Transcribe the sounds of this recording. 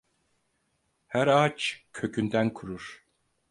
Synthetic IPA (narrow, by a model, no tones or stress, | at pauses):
hæɾat͡ʃcʰø̞cʰynd̪ænkʰuɾuɾ̥